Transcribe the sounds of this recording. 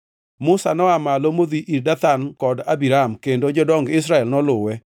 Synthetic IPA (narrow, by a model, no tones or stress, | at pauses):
mʊsanɔamalomod̪iʔiɾdat̪ankɔdabiɾamkendod͡ʒɔdɔŋɡɪs̬ɾaɛlnɔlʊwɛ